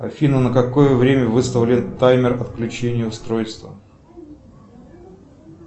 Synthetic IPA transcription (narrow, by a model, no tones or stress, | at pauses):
ɐfʲinənəkɐko̞jəvɾʲemʲəvɨst̪əvʲlʲɪt̪ajmʲɪrɐt̪klʲʉt͡ɕenʲɪjəʊst̪ɾojst̪və